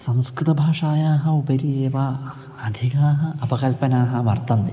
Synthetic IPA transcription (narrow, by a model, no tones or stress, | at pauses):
sɐ̃mskɾɨt̪ɐbʱaːʂaːjaːɦɐupɐɾieːʋa | ɐd̪ʱikaːɦɐ̆ɐpɐkɐlpɐnaːɦɐ̆ʋɐrt̪ɐnd̪i